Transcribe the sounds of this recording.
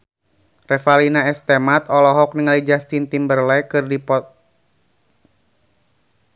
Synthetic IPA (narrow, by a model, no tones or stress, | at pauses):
rɛfalinaɛst̪ɛmat̪ɔlɔɦɔk̚niŋalid͡ʒast̪int̪imbərlɛkɨrdipɔt̪̚